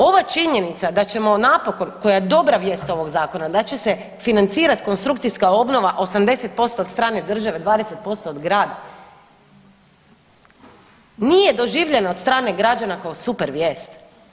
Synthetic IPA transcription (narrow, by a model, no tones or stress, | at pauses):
o̞ʋat͡ʃiɲe̞nit̪sad̪at͡ɕe̞mo̞napo̞ko̞nko̞jajd̪o̞bɾaʋje̞ːst̪o̞ʋo̞ɡzaːko̞nad̪at͡ɕe̞se̞ | finant̪siːɾat̪i̥ko̞nst̪ɾuk̚t̪sijskao̞bno̞ʋaʔo̞samd̪e̞se̞t̪̚po̞st̪o̞ːd̪st̪ɾaːne̞d̪r̩ʒaʋe̞d̪ʋaːd̪ese̞t̪̚po̞st̪o̞ːd̪ɡɾaːd̪a | nije̞d̪o̞ʒiːʋʎe̞nao̞t̪st̪ɾaːne̞ɡɾad͡ʒanakaosupeɾʋjeːst̪